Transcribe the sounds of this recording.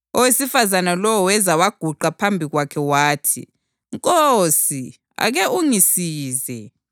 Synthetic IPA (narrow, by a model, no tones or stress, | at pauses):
ɔwesifazanalɔwɔwɛzawaɡ̥ʱuǃapʰambʱiɣwakʰɛwaːtʰḭ | ŋkʼosi | a̰ɣɛʔuŋisiːzɛ